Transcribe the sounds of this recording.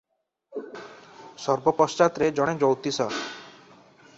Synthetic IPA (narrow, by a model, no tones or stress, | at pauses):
sɔɾbɔpɔst͡ʃat̪ɾed͡ʒɔɽ̃ed͡ʒowt̪isɔ